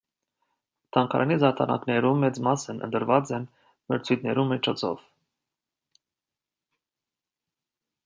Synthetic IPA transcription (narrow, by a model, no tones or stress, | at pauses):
t̪ʰɑŋkʰɑ̰ɾʔɑnizɑɾt̪ʰɑnɑ̰knɛɾummːɛt͡smɑsənʔə̰nt̪əɾvɑt͡sɛn | məɾt͡sʰujt̪nɛɾumit͡ʃʰɔt͡sʰɔ̰v̥